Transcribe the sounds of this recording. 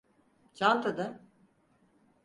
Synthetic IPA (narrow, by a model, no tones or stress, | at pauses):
t͡ʃant̪ʰad̪a